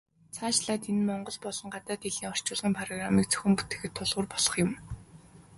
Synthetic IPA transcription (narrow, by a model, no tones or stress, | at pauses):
t͡sʰaːt͡ɕɮaːt̪enmɔɴɢɞ̆ɮpɔɮɞ̆ɴɢat̪aːt̪iɮiːŋɔr̥t͡ɕʊːɮʁiːmpʰarɔɣramiːkt͡sʰœ̥xʲɘ̆mput̪ĕ̥xɘ̆t̪ʰːʊɮʁʊ̆ːrpɔɮ̥ɞ̆χjʊ̆m